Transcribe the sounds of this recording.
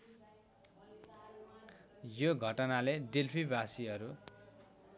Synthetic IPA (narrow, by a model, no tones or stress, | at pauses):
joɡʱʌʈʌnaledelpʰibasiʌɾu